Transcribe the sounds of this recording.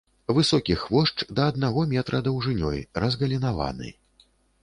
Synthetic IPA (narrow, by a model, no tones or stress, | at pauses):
vɨsɔkʲixvɔʂt͡ʂd̪ɐːd̪̚naɣɔmʲɛt̪ɾʔɐd̪ɐwʐɨnʲɔ̰jɾɐzɣɐlʲinava̰nɨ̰